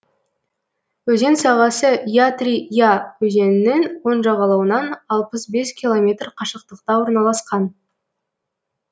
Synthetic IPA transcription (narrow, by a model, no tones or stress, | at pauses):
wɵze̞nsɑʁɑsəjat̪rʲijawɵze̞nɪnɪŋwo̞nʒɑʁɑlˠɑwənɑnɑlˠpəsbe̞skʲʰilˠo̞mʲe̞t̪rqʰɑʃəq̚t̪əqt̪ɑwo̞ɾnɑlˠɑsqɑn